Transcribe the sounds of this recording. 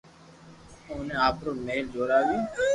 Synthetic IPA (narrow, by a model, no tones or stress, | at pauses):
oːnẽːaːpɾoːmeːld͡ʒoːɾaːʋiː